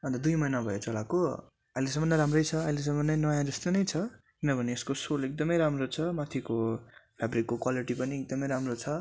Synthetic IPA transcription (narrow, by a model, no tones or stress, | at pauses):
ʌnd̪ʌd̪ujmʌjnabʱʌjot͡sʰʌlako | ʌiles̬ʌmʌnːʌɾamrʌjt͡sʰʌːiles̬ʌmːʌnːʌjnʌjãd͡zʌst̪onʌjt͡sʰʌkinʌbʱʌneːskosolek̚d̪ʌmʌjɾamrot͡sʰʌmat̪ʰikopʰabrikːokwaliʈipʌniek̚d̪ʌmʌjɾamrot͡sʰʌ